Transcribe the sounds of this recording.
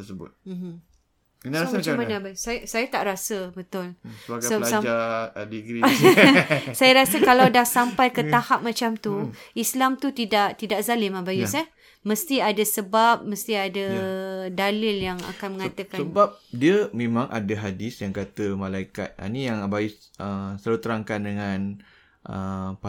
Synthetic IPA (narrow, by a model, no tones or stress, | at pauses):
t̪əsəbʊ̰t̪̚m̩ | nmat͡ʃamanabasajsajat̪aʔɾasəbət̪ʊl | aadiɡɾi | sajaɾasəkalawdahsampajkət̪ahap̚mat͡ʃamt̪uislamt̪ut̪idaʔt̪idaʔzalɪmabajusa | məst̪iadasəbap̚məst̪iadadalɪljaŋa̰kanmə̃ŋat̪əkasəbap̚diəmẽmãŋʔa̰daɦadɪsjaŋkat̪əmãlaika̰t̪̚a̰nijaŋbaiəsələt̪əɾaŋkandəŋãn | ʔəpa